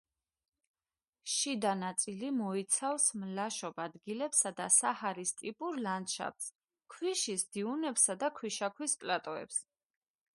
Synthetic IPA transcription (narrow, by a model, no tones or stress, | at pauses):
ʃid̪anat̪sʼilimɔit̪sʰafsmlaʃɔbad̪ɡilɛpsad̪asahaɾist̪ʼipʼuɾlanʃa̰p̚s | kʰwiʃisd̪iunɛpsad̪akʰwiʃakʰwispʼlat̪ʼɔɛ̰ps